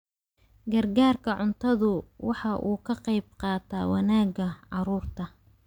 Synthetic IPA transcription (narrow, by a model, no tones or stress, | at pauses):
ɡɐrɡaːrkʰɐʕʊnt̪ʰɐðʊwɑħɑʔuːkʰɐqɑjbqɑːt̪ʰɐːwɑ̰naːɡɐʕɑɾuːrt̪ʰɐ